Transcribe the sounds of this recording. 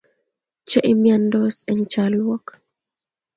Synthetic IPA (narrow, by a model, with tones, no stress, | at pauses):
t͡ʃɛ˦ʔɪ˦mjandɔ˦sɛɲt͡ʃalwɔ˦k